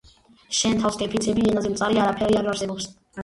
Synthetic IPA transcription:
ʃɛnt̪ʰafskʼɛpʰit̪sʰɛbiɛnazɛmt̪sʼaɾiaɾapʰɛɾiaɾaɾsɛbɔps

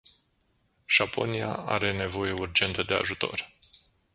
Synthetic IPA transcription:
ʒ̥apʰo̞̰nia̰a̰ɾe̞ne̞vo̞je̞urd͡ʒe̞nt̪əd̪e̞a̰ʒut̪o̞̰r

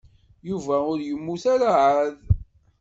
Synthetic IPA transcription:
juvæʊɾjəmːuθæɾaʕað

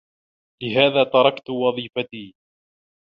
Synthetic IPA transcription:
lɪɦaːðaːt̪ɑɾˤɑkt̪wɑðˤiːfat̪iː

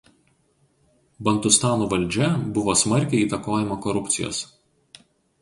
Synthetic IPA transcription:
bɐnt̪ʊst̪ɑːnuːʋɐlʲˑd͡ʒʲɛbʊʋoːsmɐɾʲkʲɛɪiːt̪ɐkoːjɪmokɔɾʊp̪ʲsʲɪjo̰ːs

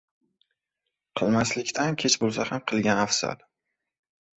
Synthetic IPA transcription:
qʰɨlˠmaslɪkʲt̪ʰankʲʰet͡ʃbolˠsahamqʰɨlˠɡʲanafsa̰d̪

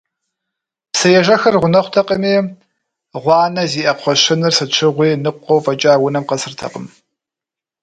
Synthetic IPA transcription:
psɐjɛʒɐxɐrʁʷʊnɐχʷt̪ʰɐqʼɐmiː | ʁʷɑːnɐziːʔɐqʰʷɔɕɪnɨrsɨt͡ʃʷʰɪʁʷiːnɨqʷːowfʼɐt͡ʃʼaːwʊnɐmqɐsɨrtʰɐ̰qəm

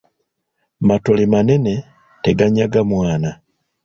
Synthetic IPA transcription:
matolemanene̞ | teɡaɲaɡamwaːna

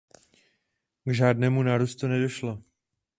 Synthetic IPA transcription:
ɡʒaːdnɛːmunaːɾuːst̪unɛdo̞ʃlo

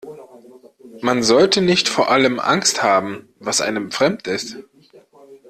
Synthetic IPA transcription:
manzɔltənɪçtfoːɐʔaləmʔa̰ŋsthaːbm̩ | vasʔa̰ɪnəmfʁ̥ɛmtɪst

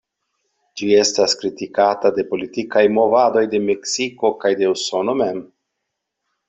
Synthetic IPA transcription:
d͡ʒie̞staskɾitikatade̞po̞litikajmo̞vado̞jde̞me̞ksiko̞kajde̞uso̞no̞me̞m

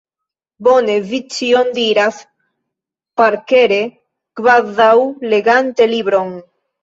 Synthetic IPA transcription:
bonevit͡ʃiond̪iɾaθ | paɾkeɾe | ɡ̥βaððawleɣant̪eliβɾoŋ

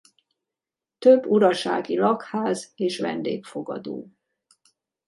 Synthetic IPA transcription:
t̪øbːuɾɒʃa̰ːɡilɒkhaːzeːʃʋɛ̰nd̪ḛːkfo̞ɡɒ̰d̪o̰ː

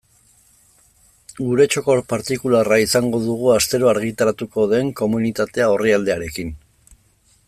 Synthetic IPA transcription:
ɡuɾe̞t͡ʃo̞ko̞ɾpaɾt̪ikularaisaŋɡo̞ðuɣ̞uast̪e̞ɾo̞aɾɣit̪aɾat̪uko̞ðe̞ŋko̞munit̪at̪e̞aoriald̪e̞aɾe̞kin

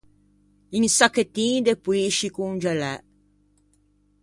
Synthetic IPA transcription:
insaket̪ĩd̪epuiʃikund͡ʒɛlɛ

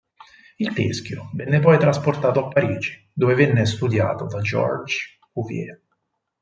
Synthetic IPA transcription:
ilt̪ḛsk̟jovɛnːepɔjt̪ɾasport̪aːt̪oapːaɾiːd͡ʒi̥ | d̪oːvevɛnːest̪ud̪ja̰ːt̪od̪ad͡ʒɔ̰rd͡ʒ | kuvjɛ̰

